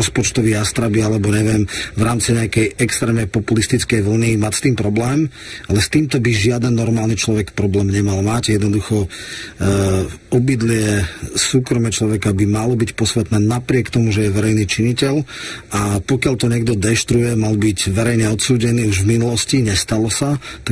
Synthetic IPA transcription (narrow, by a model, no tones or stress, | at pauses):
ɔspɔt͡ʃt̪ɔʋiːast̪ɾabialɛbɔɲɛʋɪɛmvɾaːmt͡siɲɛakɛjʔɛkst̪ɾɛːmnɛjpɔpulist̪it͡skɛjʋl̩nimacst̪iːmpɾɔblɛːm | alɛst̪iːmt̪ɔbiʒɪad̪ɛnːɔɾmaːlnit͡ʃlɔʋɛkpɾɔblɛːmɲɛmalmaɟjɛd̪nɔd̪uxɔ | ɔbid̪lɪɛsuːkɾɔmɛt͡ʃlɔʋɛkabimalɔbicpɔsʋɛt̪nɛːnapɾɪɛkt̪ɔmuʒɛjɛʋɛɾɛjniːt͡ʃiɲicɛʎapɔkɪaʎt̪ɔɲɪɛɡd̪ɔd̪ɛʃt̪ɾujɛmalbiɟʋɛɾɛjɲɛɔt̪suːɟɛniːuʒvminulɔsciɲɛst̪alɔsaa